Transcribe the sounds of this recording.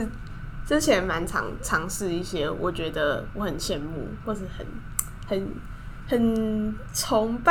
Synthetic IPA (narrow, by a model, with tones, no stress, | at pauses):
ʈ͡ʂɻ̩˥t͡ɕʰjɛ˨˧˦nma˧˦nʈ͡ʂʰɑ̰˧˦ŋʈ͡ʂʰɑ˧˦ŋʂɻ̩˥˧i˥˩ɕjɛ˥wʔɔ̰˨˩t͡ɕɥɛ˧˥d̪ə˧wɔ˧˦xə˨˩nɕjɛ˥˧nmṵ˥˨˩xwɔ˥˧ʂɻ̩˥˩xə̰˨˩˦n | hə˨˩n | hə˨˩n | t͡sʰɔ˧˦ŋpa